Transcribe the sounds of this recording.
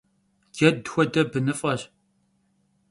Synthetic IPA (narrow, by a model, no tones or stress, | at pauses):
ɡ̥ɛdxʷɔdɐbɨnɨfʼɐɕ